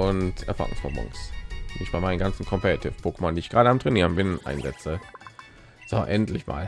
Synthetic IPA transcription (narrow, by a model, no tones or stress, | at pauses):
ʊntʰɛɐfa̰ːʁʊ̰ŋsʁ̥ɔ̰mʊ̰ŋsd̥iːɪçb̥aɪmaɪnənɡant͡sn̩kʰɔmpʰɛʁatʰɪfpʰoːkəmɔndiːɪçɡ̥ʁaːɾəamtʁ̥ɛniːʁənbɪnʔa̰ɪnzɛt͡sə | z̥oʔɛntʰlɪçma̰ːl